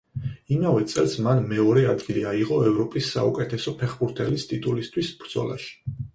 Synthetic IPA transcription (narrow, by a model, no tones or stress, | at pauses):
imavɛt̪sʼɛ̰lˠsmanmɛɔɾɛad̪ɡiliaiʁɔɛvɾɔpʼisːa̰ukʼɛt̪ʰɛsɔpʰɛχbuɾt̪ʰɛlist̪ʼit̪ʼulist̪ʰwisb̥ɾd̪z̥ɔ̰la̰ʃi̥